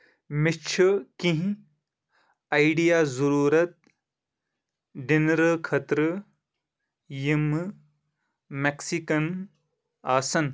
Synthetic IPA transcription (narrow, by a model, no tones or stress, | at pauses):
mit͡ʃʰɨkĩɦĩ | ajɖijaːzɐɾuːɾɐt̪̚ | ɖinɾəkʰɐt̪ɾɨ | jim | meksikɐn | aːsɐn